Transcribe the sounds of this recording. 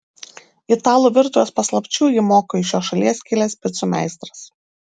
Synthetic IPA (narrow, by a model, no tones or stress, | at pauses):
ɪt̪ɑːlˠuːʋʲɪɾt̪ʊjɛspɐslˠɐpʲt͡ʃʲuːjɪmoːkoːɪʃʲjoːʃɐlʲiɛskʲɪlʲɛspʲɪt̪sumʲæ̰ˑɪst̪ɾɐs